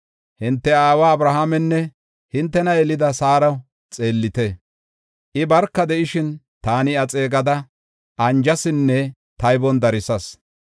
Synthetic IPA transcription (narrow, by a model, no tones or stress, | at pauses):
hɪnt̪ːɛaːwaɐbɾɐɦaːmɛnːɛ | hɪnt̪ːɛnɐɛlɪd̪ɐsaːɾɐw | t͡sʼe̞ːlːɪt̪ɛ | ʔɪbɐɾkːɐd̪ɛʔɪʃɪn | t̪aːnɪɐt͡sʼe̞ːɡɐd̪ɐ | ʔɐnd͡ʒɐsɪnːɛ | t̪ɐjbɔnd̪ɐɾɪsɐs